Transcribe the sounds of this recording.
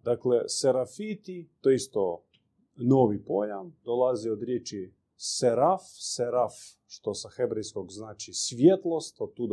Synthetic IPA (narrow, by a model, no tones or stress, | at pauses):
d̪akleseɾafit̪it̪oist̪o | noʋipojamd̪olˠaziod̪ɾjet͡ʃi | seɾafseɾaf | ʃt̪osaxebɾɛjskoɡznaːt͡ʃisʋjet̪lˠost̪ot̪ːud̪